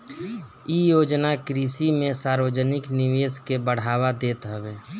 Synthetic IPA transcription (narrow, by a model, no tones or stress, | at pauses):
ijoːd͡ʒnakɾisimẽsaːɾʋəd͡ʒənɪkniʋeːskebəɽ̤aːʋad̪eːt̪ɦəbeː